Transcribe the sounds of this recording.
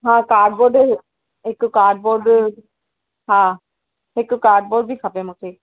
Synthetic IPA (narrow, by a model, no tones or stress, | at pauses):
ɦãkaɾɖ̚boɾɖe | ekːukaɾɖ̚boɾɖ | ɦã | ekːukaɾɖ̚boɖbikʰapemoʈʰe